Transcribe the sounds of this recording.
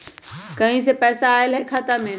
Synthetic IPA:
kɐ̃ɦĩsepɛːsaːɪlɦekʰaːt̪amẽ

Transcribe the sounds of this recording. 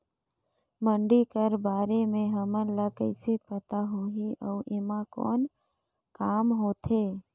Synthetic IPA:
mə̃ɳɖikəɾbaːɾemẽɦəmənlakəɪsepət̪aɦuɦiʔəuʔɪmãkɔ̰ːn | kaːmɦoːt̪ʰeː

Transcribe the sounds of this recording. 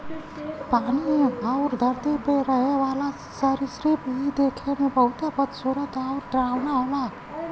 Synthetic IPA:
paniawɾd̪ʱʌɾt̪epeɾʌɦewala | səɾisɾepid̪ekʰenebʌut̪apʌt̪soɾʌt̪awɾd̪ɾawnaɦola

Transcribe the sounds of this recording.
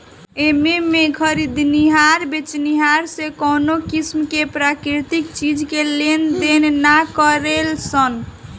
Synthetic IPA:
ememekʰəɾid̪niɦaɾbet͡ʃniɦaɾsekonokismkepɾakɾit̪ikt͡ʃid͡ʒkelend̪enːakəɾelsən

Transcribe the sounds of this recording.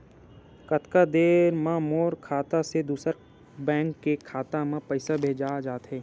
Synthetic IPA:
kət̪kad̪eːɾmãmoːɾkʰaːt̪ased̪uːsəɾ | bɛ̃ːŋkːekʰaːt̪amãpəɪsabʱeːd͡ʒaːd͡ʒaːt̪ɦɛː

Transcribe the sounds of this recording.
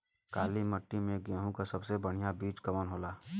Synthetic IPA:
kaːliməʈːimẽɡjaːɦũkasɐbsebəɽ̤ijabiːt͡ʃkɐmənɦoːlaː

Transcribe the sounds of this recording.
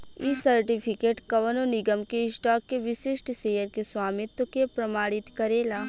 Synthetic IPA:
isɐɾʈipʰɪkeːʈkɐʋənonɪɡəmkeɪsʈɔːkːeʋɪʃɪʃʈseːjəɾkeswaːmɪt̪wəkepɾɐmaːɽɪt̪kɐɾeːlaː

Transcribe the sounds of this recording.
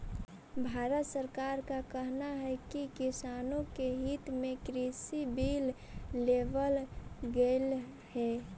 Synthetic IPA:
bʱaːɾət̪səɾkaːɾkakəɦnaɦɛkikisaːnõkeɦit̪mẽkɾisibilː | eʋəlɡel | hɛː

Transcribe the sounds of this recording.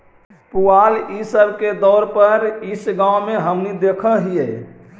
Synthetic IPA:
pualisəbʱked̪ɔɾpəɾisɡãmeɦəmnid̪ekʰəɦijɛ

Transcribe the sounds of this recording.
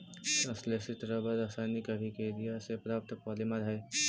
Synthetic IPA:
ɐsleːsit̪ɾəbəɾɐsaːnɪkɐdʱikeːɾijasepɾaːp̚t̪pɔːlimaɾɦɛ

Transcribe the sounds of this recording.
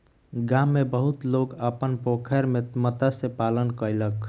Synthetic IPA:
ɡaːmːebəɦʊt̪loːɡəpənpokʰɛɾmẽmət̪asepaːlənkəɪlək

